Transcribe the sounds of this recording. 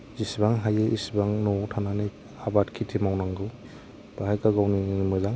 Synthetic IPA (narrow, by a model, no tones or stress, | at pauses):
zisbaŋɦajeʔisbaŋnɔtʰananaj | abatkʰitʰimawnaŋɡɯw | b̥aɦajkaɡawnimɯzaŋ